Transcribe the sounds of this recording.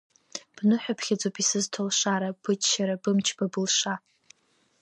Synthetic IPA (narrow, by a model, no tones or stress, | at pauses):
b̥nɨħᶣapʰχʲad͡zopʼisɨztʰolʂaɾab̥ɨt͡ʃʃaɾabɨmt͡ʃʰb̥abɨlʂa